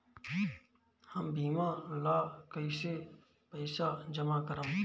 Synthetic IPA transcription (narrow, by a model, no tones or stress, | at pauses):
həmbiːmãlaːkəise | pəɪsad͡ʒəmakəɾãː